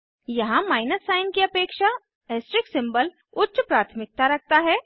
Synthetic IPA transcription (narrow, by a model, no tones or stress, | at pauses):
jɐɦãmaːɪnəsːaːɪnkiɐpeːkʃa | eːsʈɾɪksɪ̃mbəl | ʊtːʃpɾaːt̪ʰmɪk̚t̪aɾɐk̚ʰt̪aɦɛː